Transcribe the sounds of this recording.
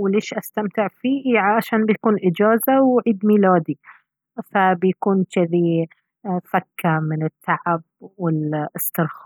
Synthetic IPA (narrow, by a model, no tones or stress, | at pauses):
wleːʃʔast̪amt̪ɪʕfiːʕʕaʃaːnbɪjakuːnʔɪd͡ʒaːzawʕiːd̪miːlaːd̪i | fabɪjkuːnt͡ʃɪði | fakːamɪnɪt̪ʰːaʕab̚wɪlɪst̪ɪɾx